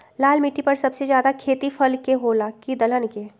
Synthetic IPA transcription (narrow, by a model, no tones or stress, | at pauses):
laːlmɪʈːipɐɾsɐbsed͡ʒjaːd̪akʰeːt̪ifʰɐlkeɦoːlakid̪ɐlənke